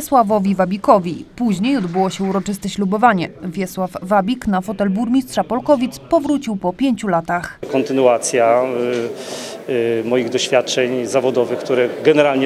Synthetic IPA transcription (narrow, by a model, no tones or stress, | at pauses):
swavɔvʲivabʲikɔvʲipuʑɲejɔd̪bɘwɔɕɛuɾɔt͡ʂɘst̪ɛɕlubɔvaɲɛvʲjɛswavːabʲiknafɔt̪ɛlbuɾmʲistʂapɔlkɔvʲit̪spɔvɾut͡ɕiwpɔpʲjeɲt͡ɕulat̪axkɔnt̪ɘnuat̪sʲja | mɔjiɣd̪ɔɕfʲjat̪̚t͡ʂɛɲzavɔd̪ɔvɘxk̚t̪uɾɛɡɛnɛɾalɲɛ